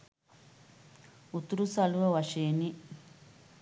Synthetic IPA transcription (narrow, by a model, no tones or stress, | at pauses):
ut̪uɾusɐluʋɐʋɐʂeːni